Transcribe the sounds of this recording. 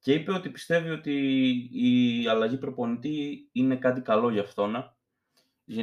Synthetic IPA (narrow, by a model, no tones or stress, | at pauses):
ce̞ipe̞o̞t̪ipi̥st̪e̞vio̞t̪iː | ɐlɐʝipɾo̞po̞nit̪iine̞kɐt̪̬ikɐlo̞ʝɐːft̪o̞nɐ | ʝe